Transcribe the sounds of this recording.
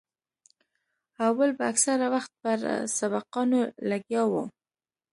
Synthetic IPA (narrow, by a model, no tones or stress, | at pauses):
awwalbaaksaɾawaxt̪̚pəɾsabaqɑnolaɡjɑwu